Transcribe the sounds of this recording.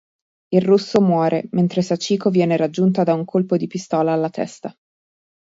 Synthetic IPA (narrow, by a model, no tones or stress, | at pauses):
irrusːomwɔːɾement̪ɾesat͡ʃːiːkovjɛːneɾad͡ʒːunt̪ad̪auŋkʰolpod̪ipist̪ɔːlaːlːat̪ɛ̰st̪a